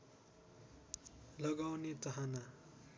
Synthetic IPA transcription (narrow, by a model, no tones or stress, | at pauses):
lʌɡawnet̪ʌɦana